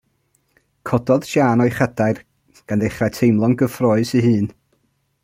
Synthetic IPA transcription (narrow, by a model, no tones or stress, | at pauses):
kʰɔdɔð̥ʃaːnɔjχədaɨr | ɡ̥andðejχrajtʰejmlˠɔŋɡəfrɔːɨsiɦɨːn